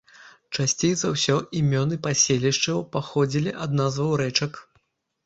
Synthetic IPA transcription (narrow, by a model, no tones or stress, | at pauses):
t͡ʂasʲt͡sʲej̪zɐwsʲɔʔimʲɔnɨpasʲelʲiʂt͡ʂɐwpaxɔd͡zʲilʲiʔad̪nazvɐwɾɛt͡ʂɐk